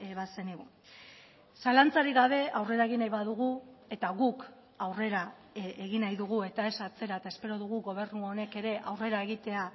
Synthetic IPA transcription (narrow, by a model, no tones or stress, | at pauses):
βase̞niɣu | salant͡saɾiɡaβ̞e̞awre̞ɾae̞ɣ̞inajβaðuɣ̞ue̞t̪aɣuk | awre̞ɾa | eɣinajðuɣ̞ue̞t̪ae̞sat͡se̞ɾaet̪aespe̞ɾo̞ðuɣuɣo̞β̞e̞ɾnuone̞ke̞ɾe̞ʔawre̞ɾaeɣ̞it̪e̞a